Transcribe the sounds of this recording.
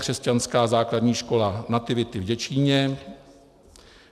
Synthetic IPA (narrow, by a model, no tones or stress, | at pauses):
kr̝̥ɛscanskaːzaːkladɲiːʃko̞lanat̪ɪvɪt̪ɪvɟɛt͡ʃiːɲɛ